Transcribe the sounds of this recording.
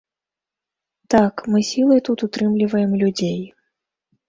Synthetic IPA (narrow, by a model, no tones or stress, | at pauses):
t̪akmɨsʲilˠɐjt̪ut̪ut̪ɾɨmlʲivɐjɛmlʲud͡zʲej